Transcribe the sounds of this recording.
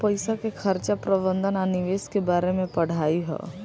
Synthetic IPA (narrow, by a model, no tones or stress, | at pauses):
pəɪsakekʰəɾt͡ʃapɾəbə̃nd̪ənaniʋeːskebaːɾemẽpəɽ̤aːiɦɛ̰ː